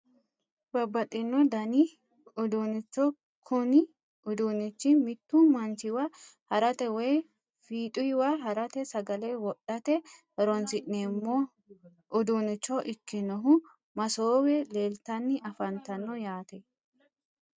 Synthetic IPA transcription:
bɐbːɐt̪ʼːɪnːɔd̪ɐnɪ | ʊd̪unɪt͡ʃːɔ | kʰʊnɪ | ʊd̪unɪt͡ʃːɪmɪt̪ːumɐnt͡ʃɪwahɐɾɐt̪ɛwɛj | fiːt̪ʼʊjwaɦɐɾɐt̪ɛsɐɡɐlewɔɗːɐt̪ɛ | ɛɾɔnsɪʔnemːo | ʔʊd̪unɪt͡ʃːɔʔɪkːɪnɔɦʊ | mɐsoːwɛleːlt̪ɐnːɪʔɐfɐnt̪ɐnːɔjaːt̪ɛ

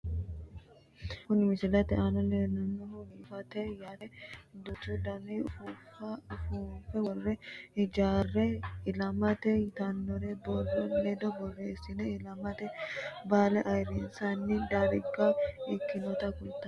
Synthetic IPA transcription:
kʊnmɪsɪlɐt̪ɛʔanɔnenɐnːɔhɔɡiːfɐt̪ɛjaːɾɛd̪ɔt̪ud̪ɐniʊfufʊfuːfɛwɔrːɛɪd͡ʒaːrːɛɪlɐmɐt̪ɛt̪ɐnːɔɾɛbɔrɔned̪ɔbɔrːeːsɪnɛɪlɐmɐt̪ɛbaːlɛʔɐjɾinsanːɪd̪aɾɪɡaɪkːɪnɔt̪ɐkʊlt̪ːɐ

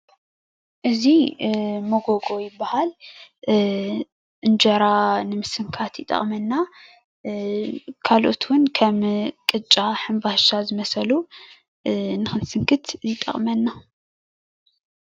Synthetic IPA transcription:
ʔɨzi | moɡoɡo̞jɪbːahal | ʔɨnd͡ʒɐɾanɨmɨsɨŋkʰat̪jɪt̪ʼɐ̰χʼmɐnːa | kʰalʔo̞t̪ʰwʊnkʰɐmkʼɨt͡ʃʼːaħɨmbahʃazɨmɐsɐlu | nɨxɨnsɨŋkʰɨt̪ʰɪt̪ʼɐ̰χʼmɐnːa

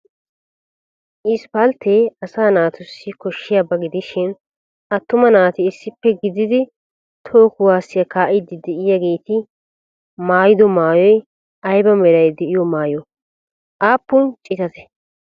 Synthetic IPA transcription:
ʔɪspɐlt̪eːɐsaːnaːt̪ʊsːɪkɔʃːɪjabɐɡɪd̪ɪʃɪn | ʔɐt̪ːʊmɐnaːt̪ɪːsːɪpːɛɡɪd̪ɪd̪ɪ | t̪ʰo̞ːkʊwaːsːɪjɐkaːʔɪd̪ɪd̪ɛʔɪjaɡeːt̪ɪ | maːjɪd̪ɔmaːjɔj | ɐjbɐmɛɾɐjd̪ɛʔɪjɔmaːjɔ | ʔaːpːʊnt͡ʃʼɪt̪ɐt̪ɛ̥

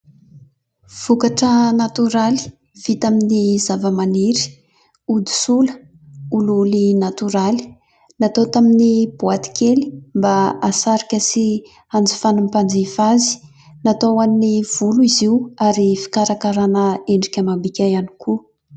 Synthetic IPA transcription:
v̥ukaʈ͡ʂənat̪yɾali̥ | v̥it̪aminizavəmaniɾi̥ | ud̪u̥sulə̥ | ululinat̪uɾali̥ | nat̪ot̪aminib̥uat̪i̥kʰeli̥mbaasaɾikʲəsi | and͡zi̥fanumpand͡zefazi̥ | nat̪owannːiv̥uluiziwaɾifi̥kaɾakaɾanəeɳɖ͡ʐikʲəmambikʲajanikʰu

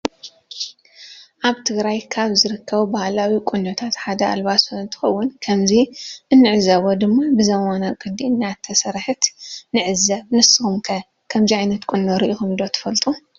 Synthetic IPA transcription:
ʔaβt̪ʰɨɡɾajkʰaβzɨɾɨkʰːɐβubahlawikʷʼʊnːot̪ʰat̪ħad̪ɐa̰lβasoɨnt̪ʰɨ̥xɐwːʊnkʰɐmziʔɨnːɨʕɨzɐβod̪ɨmːabɨzɐwanakʼɨd̪iɨnːat̪ʰːɐsɐɾħɨt̪nɨʕɨzːɐβnɨsɨxumkʰɐ | kʰɐmziʕajnɐt̪kʷʼunːoɾɨʔixumd̪o̞t̪ʰɐ̥fɐlt̪ʼu

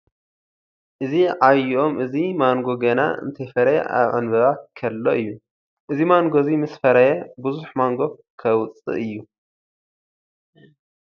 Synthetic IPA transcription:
ʔɨziʕajiʔomʔɨzimaŋɡoɡɐna̰ɨ̰nt̪ʰɐjfɐɾɐj̰ʔa̰βʕɨnβɐβakʰɐlːo̞ʔɨjːu | ʔɨzimaŋɡozimɨsfɐɾɐjebɨzuħmaŋɡo̞kʰɐwt͡sʼɨ̰ʔɨjːu

